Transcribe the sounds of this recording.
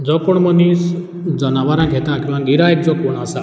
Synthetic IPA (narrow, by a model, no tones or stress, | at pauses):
d͡zɔkoɳmɔnis | d͡zɔnaʋaɾãɡʱet̪ãkimãɡiɾaek̚d͡zɔkɔɽ̃asa